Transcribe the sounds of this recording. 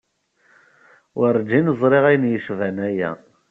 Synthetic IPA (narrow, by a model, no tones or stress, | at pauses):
wəɾd͡ʒinəzˤɾˤeʁæjnjəʃvænæjæ̰